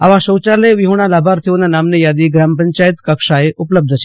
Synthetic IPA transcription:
ɐʋãʃoːt͡ʃaleʋɪɦuɽ̃alaːbʱaːɾt̪ʰijonanaːmnejaːd̪iɡɾaːmpəɲt͡ʃaːjɪt̪kɐkʃaeʔʊpləb̚d̪ʱət͡ʃʰ

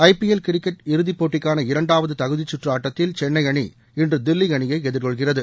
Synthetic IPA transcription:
ɐɪpɪɛlkɪɾɪkːɐʈɪɾɯðɪpːoːʈːɪkːaːnɐɪɾɐɳɖaːʋɐðɯt̪ɐɣɯðɪt͡ʃːʊʈrɯaːʈːɐt̪ːɪlt͡ʃɛnːɐɪɐɳḭ | ɪndrɯd̪ɪlːɪjɐɳɪjɐɪɛðɪɾkɔɭɣɪrɐðɯ

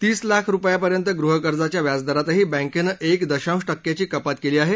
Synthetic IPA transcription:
t̪iːslakʰɾupjapəɾjənt̪əɡɾuɦəkəɾd͡zat͡ɕjaʋjad͡zd̪əɾat̪əɦiːbɛ̃ŋkenəʔekd̪əɕãwʂʈəkːjat͡ɕiːkəpat̪keliːaɦe

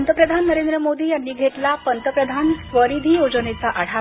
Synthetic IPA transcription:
nt̪əpɾəd̪ʱanːəɾend̪ɾəmod̪iːjanːiːɡʱeʈlapənt̪əpɾəd̪ʱansʋəɾid̪ʱiːjod͡zənet͡saʔəɽ̤a

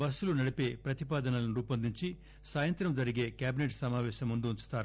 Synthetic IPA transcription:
bɐsulunɐɽipe̞ːpɾɐt̪ipaːd̪ɐnɐlɐniɾuːpɐnd̪iɲt͡ʃi | saːjɐnt̪ɾɐmd͡ʒɐɾiɡe̞ːkjaːbineʈsɐmaːʋɛːʃɐmːund̪uuɲt͡ʃu̥t̪aːɾu

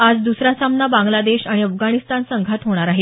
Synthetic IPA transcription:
ad͡zd̪usɾasamnabãŋɡlad̪eɕaɽ̃iəfɡaɽ̃ist̪ansəŋɡʱat̪ɦoɽ̃aɾaɦe

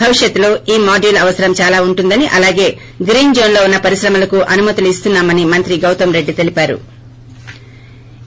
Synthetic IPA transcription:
ɐʋiʂjɐt̪ːulo̞ːiːmaːɖuːlɐʋɐsɐɾɐmt͡ʃaːlaːuɳʈund̪ɐniʔɐlaːɡe̞ː | ɡɾiːnd͡ʒo̞ːnlo̞ːunːɐpɐɾiʃɾɐmɐlɐkuʔɐnumɐt̪uluist̪unːaːmɐnimɐnt̪ɾiɡɐwt̪ɐmɾe̞ɖːit̪e̞lipaːɾṵ

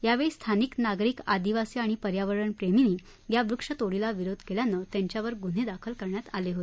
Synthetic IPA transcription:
jaʋeɭst̪ʰaniːknaɡɾikad̪iʋasiaɽ̃ipəɾjaʋəɭəɳpɾeminiː | ɡjabɾukʂət̪oɽilaʋiɾod̪ʱkeljanət̪jãɲt͡ɕjaʋəɾɡun̤ed̪akʰəlkəɾɳjat̪aleɦot̪e

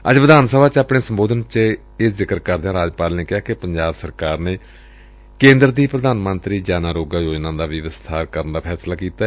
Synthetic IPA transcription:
ə̰d͡ʒʋəd̪aːnsəbaːt͡ʃaːpɳeːsəmboːd̪ənt͡ʃ | eːzɪkəɾkəɾd̪jãːɾaːd͡ʒpaːlneːkɪaːkɪpəɲd͡ʒaːbsəɾkaːɾneː | kẽːnd̪ɾd̪iːpɾəd̪aːnmənt̪ɾiːd͡ʒaːnaːɾoːɡaːjoːd͡ʒnãːd̪aːʋɪʋəst̪ʰaːɾkəɾənd̪aːpʰɛːslaːkiːt̪aːɛ

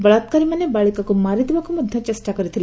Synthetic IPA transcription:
bɐɭat̪kaɾimɐnebaːɭikakumaɾid̪ʋakumɐd̪ʱjɐ̃t͡ʃɐsʈakəɾit̪ʰil

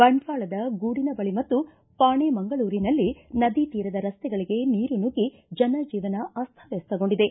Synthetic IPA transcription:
bɐɳɖʋaːɭɐd̪ɐɡuːɽinɐbɐɭimɐt̪ːu | paːɳemɐŋɡɐɭuːɾinɐlːinɐd̪it̪iːɾɐd̪ɐɾɐst̪ɛɡɐɭiɡe̞niːɾunuɡi | d͡ʒɐnɐd͡ʒiːʋɐnɐʔɐst̪ʰɐʋest̪ːɐɡo̞ɳɖid̪e̞

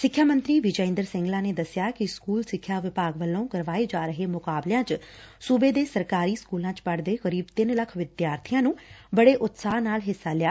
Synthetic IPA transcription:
sɪkʰːjaːmə̃nt̪ɾiːʋɪd͡ʒəɪ̃nd̪əɾsɪ̃ŋɡlãːneːd̪əsɪjaːkɪskuːlsɪkʰːjaːʋɪpaːɡʋəlːõːkəɾʋaːeːd͡ʒaːɾəɦeːmʊkaːblejãːt͡ʃsuːbeːd̪eːsəɾkaːɾiːskuːlãːt͡ʃpəɽd̪eːkəɾiːbt̪ɪnləkʰʋɪd̪jaːɾt̪ʰɪjãːnũːbəɽeːʔʊt̪saːnaːlɦɪsːaːlɪjaː

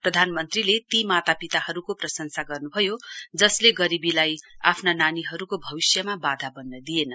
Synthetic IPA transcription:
prʌd̪ʱanmʌnt̪rilet̪imat̪apit̪ahʌɾukoprʌsʌnsaɡʌrnubʱʌjod͡zʌsleɡʌɾibilaja̰pʰnananiɦʌɾukobʱʌbisjʌmabad̪ʱabʌnːʌd̪ijenʌ

